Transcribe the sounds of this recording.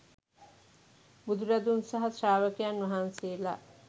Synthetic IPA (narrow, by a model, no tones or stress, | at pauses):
bud̪uɾad̪unsaɦaʃaːʋəkejanʋɐɦaːnseːla̰